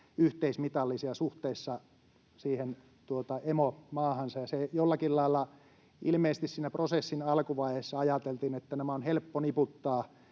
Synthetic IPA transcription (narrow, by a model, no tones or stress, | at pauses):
yht̪eismit̪ɑlːisiɑsuht̪eisːɑ | siːhen | t̪uot̪ɑemomɑːhɑnsɑjɑsejolːɑkillɑilːɑ | ilmeisest̪issiːnæprosesːinɑlkuʋɑihesːɑɑjɑt̪elt̪inet̪ːænæmæonhelpːoniput̪ːɑː